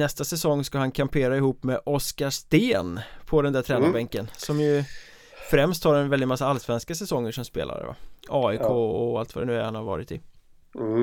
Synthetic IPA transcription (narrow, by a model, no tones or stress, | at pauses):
nɛst̪asɛsɔŋːskahankʰampʰeːɾaɪhuːpːmɛʔɔskaʂt̪eːnpʰɔd̪ɛnd̪æʈ̪ʰɾɛːnabɛŋkːənsɔmjɵ | fɾɛmst̪haɾɛnvɛlɪt̪masːaalːsvɛnskasɛsɔŋːəʂɔmspḛːla̰ɾɛ̰va̰ɑːɪkʰoːɔalt̪vad̪ɛnʉ̟ːæɾhanhaɾvɑ̰ːɾɪt̪ɪ